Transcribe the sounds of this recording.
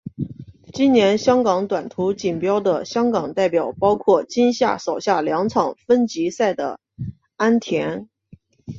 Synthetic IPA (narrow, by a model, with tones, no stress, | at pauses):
t͡ɕi˥nnjɛ˧˥nɕjɑ˥ŋkɑ˧˥ŋt̪wa˨˩nt̪ʰu˧˥t͡ɕi˨˩npjɑ˥ʊd̪ə˨ɕjɑ˥ŋkɑ˨˩ŋt̪a˥˩ɪpjɑ˨˩ʊpɑ˥ʊkʰwɔ˥˩t͡ɕi˥nɕja̰˥˩ʂo˨˩ʊɕja˥˩ljɑ˧˥ŋt͡sʰɑ˨˩ŋfə˥nt͡ɕi˧˥sa˥˩ɪd̪ə̰˩ | a˥nt̪ʰjɛ˧˥n